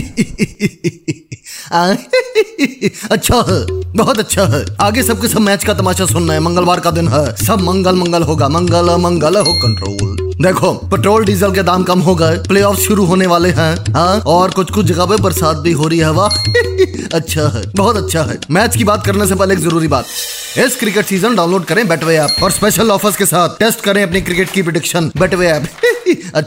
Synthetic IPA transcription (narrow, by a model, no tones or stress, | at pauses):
a | ɐtːʃʰaɦɛbɔɦɔt̪ɐtːʃʰaɦɛːaːɡesɐb̚kesɐbmɛːt͡ʃkat̪ɐmaːʃasʊnːaɦɛmɐ̃ŋɡəlʋaːɾkad̪ɪnɦɛːsɐbʱmɐ̃ŋɡəlmɐ̃ŋɡəlɦoːɡamɐ̃ŋɡəlɛmɐ̃ŋɡəlɦokɐ̃ɳʈɾo̰ːl | d̪eːkʰopeːʈɾoːlɖiːzəlked̪aːmkɐmɦoːɡɐɛpleːɔːfsʃʊɾuɦoːneʋaːleɦɛ̃ːɦãːɔːɾkʊt͡ʃʰkʊt͡ʃʰd͡ʒɐɡapebɐɾsaːd̪̚bʱiɦoːɾɐiɦɛʋa | ɐtːʃʰaɦɛ̰ːbɔɦɔt̪ɐtːʃʰaɦɛ̰ːmɛːt͡ʃkibaːt̪̚kɐɾnesepɛɦlekizɐɾuːɾibaːt̪ɦɛ | ɪskɾɪkeʈsiːzənɖãːʊ̃nloːɖkɐɾẽbɛːʈʰʋeɛːp̚ɔːɾspeːʃəlɔːfɪskesaːt̪̚ʰʈeːsʈkɐɾẽɐpnikɾɪkeːʈ̚kipɾoɖɪkʃənbɛːʈʰʋeɛːpɐ